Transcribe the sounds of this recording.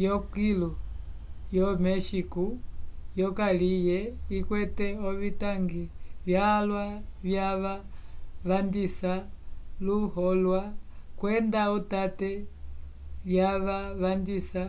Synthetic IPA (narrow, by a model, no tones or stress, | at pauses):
jɔkilu | jɔmɛʃikujɔkalijɛikwɛtɛɔβitaŋɡiβjahalwaβjaβaβandisaluhɔlwakwɛndautatɛ | βjaβaβandisa